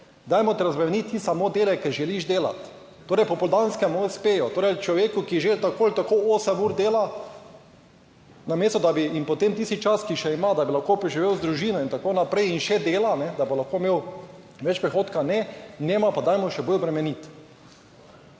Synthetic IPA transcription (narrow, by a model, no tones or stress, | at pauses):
d̪ajmɔt̪ɛɾazbɾɛmnit̪ːisamod̪eːlɛkɛɾʒɛliʒd̪eːla̰t̪ː | oːɾɛjpɔpɔld̪anskɛmospeːjɔt̪oːɾɛjt͡ʃlɔʋeːkukiʒelt̪akoːlt̪akooːsɛmuːɾd̪eːla | nameːst̪ɔd̪abiimpot̪emt̪ist̪it͡ʃaskiʃɛimad̪abilaxkopɾɛʒiʋewzd̪ɾuʒiːnɔint̪akonapɾɛjinʃɛd̪eːlanɛd̪abolaxkomeːw | ʋɛt͡ʃpɾɛxoːt̪kanɛnɛːmapad̪ajmɔʃɛbojbɾɛmɛnit̪